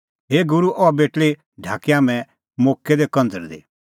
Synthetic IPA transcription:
ɦeːɡʊɾuʔɔabeːʈɭe | ɖʱaːkːeaːmɛ̃ | moːkːed̪ekɐ̃nd͡zəɾd̪ḛː

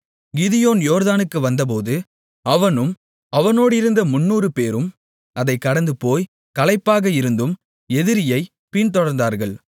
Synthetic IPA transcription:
ɡɪðɪjoːnjoːɾðaːnɯkːɯʋɐnd̪ɐp̬oːðɯ | ɐʋɐnɯm | ɐʋɐnoːɽɪɾɯnd̪ɐmʊnːuːɾɯpeːɾɯm | ɐðɐɪkːɐɽɐnd̪ɯpoːj | kɐlɐɪpːaːɣɐɪɾɯnd̪ɯm | ɛðɪɾɪjɐɪ | pɪnt̪ɔɽɐɾnd̪aːɾɣɐɭ

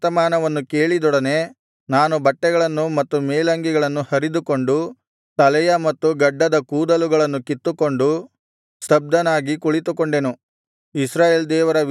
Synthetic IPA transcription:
t̪ɐmaːnɐʋɐnːukeːɭid̪ɔɽɐne̞ | naːnubɐʈːɛɡɐɭɐnːumɐt̪ːumeːlɐŋɡiɡɐɭɐnːuhɐɾid̪uko̞ɳɖu | t̪ɐlɛjɐmɐt̪ːuɡɐɖːɐd̪ɐkuːd̪ɐluɡɐɭɐnːukit̪ːuko̞ɳɖu | sɐb̚d̪ɐnaːɡikuɭit̪ukoɳɖenu | isɾaːjeːld̪ɛːʋɐɾɐ

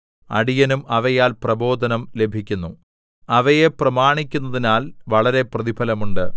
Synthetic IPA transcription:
ɐ̰ɽijɐnumɐʋɐjaːlprɐbo̞ːd̪ʱɐnɐmle̞bʱikʲːunːu | ɐʋɐjeprɐmaːɳikʲːun̪ːɐðinaːlʋɐɭɐɾe̞prɐðibʱɐlɐmuɳɖɨ

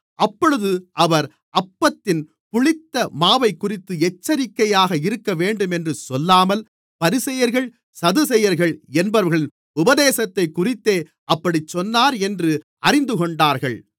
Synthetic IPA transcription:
ʔɐpːɔɻɯðɯʔɐʋɐɾ | ʔɐpːɐt̪ːɪn | pʊɭɪt̪ːɐmaːʋɐɪkːʊrɪt̪ːɯɛt͡ʃːɐɾɪkːɐjaːɣɐɪɾɯkːɐʋeːɳɖɯmɛndrɯsɔlːaːmɐl | pɐɾɪsɐjɐɾɣɐɭ | sɐðɯsɛjɐɾɣɐɭɛnbɐɾɾɣɐɭ | ʊbɐðeːsɐt̪ːɐɪkːʊrɪt̪ːeː | ʔɐpːɐɽit͡ʃːɔnːaːɾɛndrɯ | ʔɐrɪnd̪ɯkɔɳɖaːɾɣɐɭ

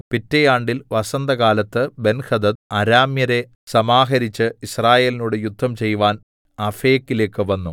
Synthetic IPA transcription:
pitːɐjaːɳɖilʋɐsɐnd̪ɐkaːlɐt̪ːɨbe̞nxɐd̪ɐd̪̚ɐɾaːmjɐɾe̞ | sɐmaːɦɐɾit͡ɕːɨisraːje̞ːlinuːɽejud̪ʱːɐmt͡ɕe̞jʋaːn | ɐfeːkːile̞ːkːɨʋɐnːu

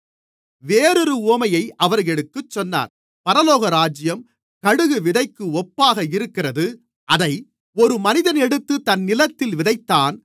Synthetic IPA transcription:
ʋeːɾɯɾɯuːmɐjɐɪʔɐʋɐɾɣɛɽɯkːɯt͡ʃːɔnːa̰ːɾ | pɐɾɐloːɣɐɾaːd͡ʒɪjɐm | kɐɽɯɣɯʋɪðɐɪkːɯɔpːaːɣɐɪɾɯkːɪrɐðɯ | ʔɐðɐɪ | ɔɾɯmɐnɪðɐnɛɽɯt̪ːɯt̪ɐnːɪlɐt̪ːɪlʋɪðɐɪt̪ːaːn

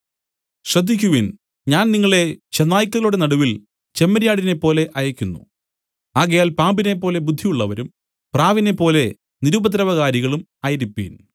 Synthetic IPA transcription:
ɕrɐd̪ʱːikʲːuʋin | ɲaːnniŋːɐɭe̞t͡ɕenːaːjikʲːɐðɐluɽenɐɽuʋil | t͡ɕe̞mːɐɾijaːɽine̞pːo̞ːle̞ʔɐjɐkʲːunːṵ | aːɣɐjaːlpaːmbine̞pːo̞ːle̞bud̪ʱːijuɭːɐʋɐɾum | praːʋine̞pːo̞ːle̞ | niɾubɐt̪̬ɾɐʋɐɣaːɾiɣɐɭum | aːjɐɾipːḭːn

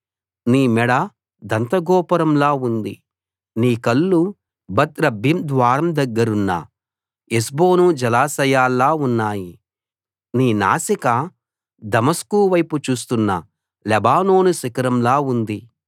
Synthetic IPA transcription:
niːmɛɽɐ | d̪ɐnt̪ɐɡɔːpɐɾɐmlaːund̪i | niːkɐlːu | bɐt̪ɾɐbʱimd̪ʋaːɾɐmd̪ɐɡːɐɾunːɐ̰ | esbo̞ːnud͡ʒɐlaːsɐjaːlːaːunːaːji | niːna̰ːsika | d̪ɐmɐskuːʋɐjput͡ʃuːs̬t̪unːɐ̰ | lɛbaːno̞ːnusikɐɾɐmlaːund̪i

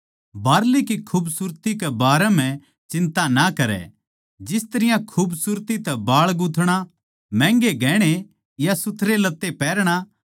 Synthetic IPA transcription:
baːɾlikikʰuːbsʊɾt̪ikebaːɾɛm̤ɛ̃ | t͡ʃɪ̃nt̪anakɐɾɛ̰ | d͡ʒɪst̪ɐɾɪjãkʰuːbsuɾt̪it̪ɛbaːɭɡʊt̪ʰɽ̃a | mɛ̃ːŋɡeɡɛːɽ̃e | jasʊt̪ʰɾelɐt̪ːepɛːɾɽ̃a

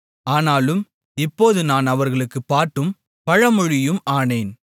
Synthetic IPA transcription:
aːnaːlɯm | ɪpːoːðɯnaːnɐʋɐɾɣɐɭɯkːɯpːaːʈːɯm | pɐɻɐmʊɻɪjɯmaːneːn

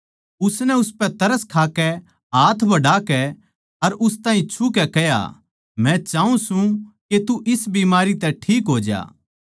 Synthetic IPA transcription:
ʊsnɛʊspɛ̃t̪ɐɾəskʰaːkɛ | ɦaːt̪ʰbɐɖaːkɛ | ɐɾʊst̪aːɦĩt͡ʃʰukɛkɛja̰ | mɛ̃t͡ʃaːũsũket̪uʔɪsbiːmaːɾit̪ɛʈʰiːkɦoːd͡ʒa̰ː

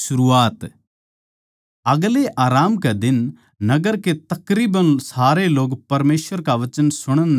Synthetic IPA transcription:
sʊɾuːaːt̪ | ɐɡleʔaːɾaːmked̪ɪn | nɐɡəɾket̪ɐkɾiːbənsaːɾeloːɡpɐɾmeːsʋəɾkaʋɐt͡ʃənsʊɽ̃ən

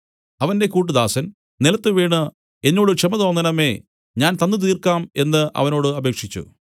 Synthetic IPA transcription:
ɐʋɐnde̞kuːʈ̬ːɨðaːsɐn | nilɐt̪ːɨʋeːɳɨ | enːo̞ːɽɨt͡ɕɐmɐðo̞ːnːɐnɐme̞ː | ɲaːnt̪ɐnːɨt̪̬iːrkaːme̞nːɨʔɐ̰ʋɐno̞ːɽɨɐbe̞ːkʂit͡ɕːṵ

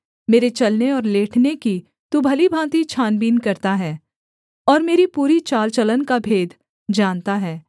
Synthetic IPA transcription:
meːɾet͡ʃɐlneɔːɾleːʈʰneki | t̪ubʱɐlibʱãːt̪it͡ʃʰaːnbiːnkɐɾt̪aɦɛː | ɔːɾmeːɾipuːɾit͡ʃaːlt͡ʃɐlənkabʱeːd̪ | d͡ʒaːnt̪aɦɛː

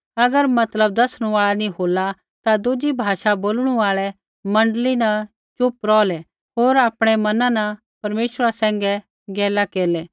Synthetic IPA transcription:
ɐɡəɾmɐt̪ləb̚d̪ɐsɽ̃ũaːɭanĩɦoːla | t̪ad̪ʊd͡ʒibʱaːʃaboːlɽ̃ũaːɭɛ | mɐ̃ɳɖəlinɐ | t͡ʃʊpɾɔːlɛ | ɦoːɾaːpɽ̃ɛmɐnãnɐ | pɐɾmeːʃɾasɛ̃ːŋɡɛ | ɡɛːlakeːɾlɛː

